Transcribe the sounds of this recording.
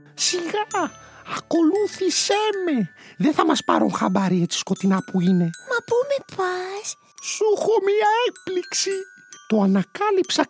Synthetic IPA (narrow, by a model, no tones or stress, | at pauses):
siɣɐ | ɐko̞luθisemeðeθɐmɐspɐ̰ɾuŋxɐbɐɾiet͡s̪i̥sko̞t̪inɐpuine̞mɐpumepɐs | suxomiɐek̚pliksi | t̪oɐnɐkɐlipsɐ